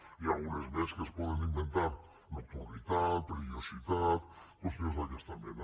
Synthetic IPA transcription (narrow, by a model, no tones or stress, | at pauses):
iaunezmeskespoðenimbent̪aɾ | nok̚t̪uɾit̪at̪pɾeβjosit̪at̪posozaʎast̪ambjen